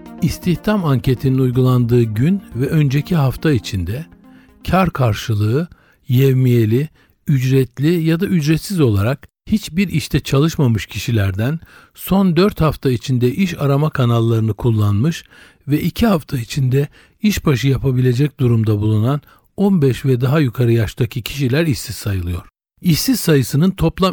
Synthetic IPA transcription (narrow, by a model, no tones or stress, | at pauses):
ist̪ʰiçt̪ʰamaɲcʰe̞t̪ʰininujɡulˠand̪ɯːɟynvɛʔø̞nd͡ʒecʰiɦaft̪ʰait͡ʃʰind̪ɛ | cʰaɾkʰaɾʃɯlˠɯɯ | jɛvmije̞lʲi | yd͡ʒɾɛt̪lʲijad̪aʔyd͡ʒɾɛt̪sizo̞lˠaɾak | hit͡ʃbiɾiʃt̪ʰɛt͡ʃʰalˠɯʃmamɯʃcʰiʃilʲæɾd̪æn | so̞nd̪øɾt̪haft̪ʰait͡ʃʰind̪ɛʔiʃaɾamakʰanalˠːaɾɯnɯkʰulˠːanmɯʃ | vɛʔicʰiɦaft̪ʰait͡ʃʰind̪ɛ | iʃbaʃɯjapʰabilʲe̞d͡ʒɛc̚d̪uɾumd̪abulˠunan | onbɛʃvɛd̪aɦajykʰaɾɯjaʃt̪ʰacʰicʰi̥ʃilʲæɾiʃsizsajɯlˠɯjo̞̰ɾ̥ | iʃsizsajɯsɯnɯnt̪ʰo̞plˠa